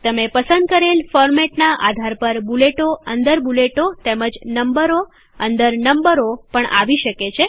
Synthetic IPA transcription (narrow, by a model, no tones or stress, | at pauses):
t̪əmepəsənd̪̚kəɾelfɔɾmeʈnaʔa̰d̪ʱaɾpəɾbuleʈoənd̪əɾbuleʈot̪eməd͡ʒnəmbəɾo | ə̰̃nd̪əɾnəmbəɾopəɳʔa̰ʋiʃəket͡ʃʰe